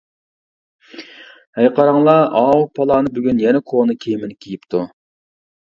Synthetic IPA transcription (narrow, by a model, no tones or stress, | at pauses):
hɛjqʰɑɾɑŋlˠɑɑːwupʰɑlˠɑːnɨbyɡʲynjɛnɛkʰonɨkʲʰejmɪnkʲʰijipt̪ʰu